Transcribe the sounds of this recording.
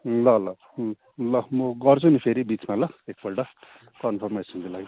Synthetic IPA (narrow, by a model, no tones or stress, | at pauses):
lʌlʌ | lʌmʌɡʌrt͡sʰunipʰeɾibit͡smalʌek̚bʌʈʌ | kʌnpʰʌrmesʌnkilaj